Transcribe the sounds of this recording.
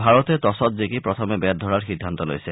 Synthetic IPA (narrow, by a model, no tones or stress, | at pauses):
bʱaɹɔt̪et̪ɔsɔt̪zikipɾɔt̪ʰɔmebɛt̪̚d̪ʱɔɾaɾxid̪ʱːant̪ɔlo̰jse